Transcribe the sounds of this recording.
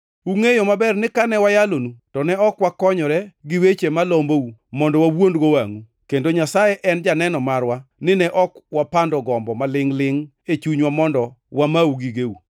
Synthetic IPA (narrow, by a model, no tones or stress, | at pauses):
uŋejomabɛrnɪkanɛwajalonutɔnɛɔkwakɔɲɔɾɛɡɪwet͡ʃemalomboumɔndɔwawondɡowaŋu | kendoɲasajɛʔɛnd͡ʒanɛnɔmarwanɪnɛʔɔkwapandɔɡɔmbɔmalɪŋlɪŋ | et͡ʃuɲwamɔndɔ | wamauɡiɡeu